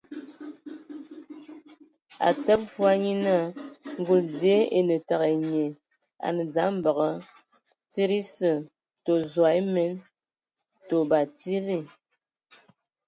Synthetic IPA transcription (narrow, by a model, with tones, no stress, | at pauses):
a̰˨tə˦p̚fu˦a˦ɲi˦na˦˨ŋ̩˦ɡo˨ldje˨˦e˨nə˨ta˨ɣe˨ɲe˨ | a̰˨nə˨za˨˦m̩˦bə˨ɣə˦ | ti˦ɾi˦sə˨ | to˨zwa˨e˦me˦n | to˨ba˨ti˦li˦˨